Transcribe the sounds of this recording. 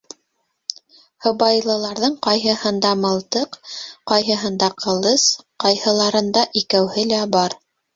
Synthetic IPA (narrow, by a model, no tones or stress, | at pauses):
hɤ̆βɑjlˠɤ̆lˠɑɾðɤɴqɑjɦɤ̆hɤnd̪ɑmɤ̆lˠt̪ɤqqɑjɦɤ̆ɦɤnd̪ɑqʰɤ̆lˠɤsqɑjhɤ̆lˠɑɾɤ̆nd̪ɑʔikæwhɘlæbɑɾ